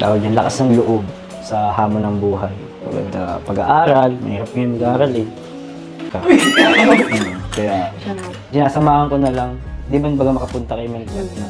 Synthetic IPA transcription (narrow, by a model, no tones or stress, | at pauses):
t̪a̰ːwɐɡ̚ɲɐnlɐkasnɐŋloʔob̚ | sɐhaːmonːɐŋbuːɦɐj | pɐ̰ɡɐ̰d̪ɐ̰pɐɡɐʔaːɾɐlmɐ̰hiːɾɐp̚kjʊŋmɐɡaʔaːɾɐlɛ | ka | okɐja | sɪnaːsɐmaːhɐŋkonɐlɐŋd̪ɪmanbaɡamɐkɐpʊnt̪ɐkɐjʊmɐnona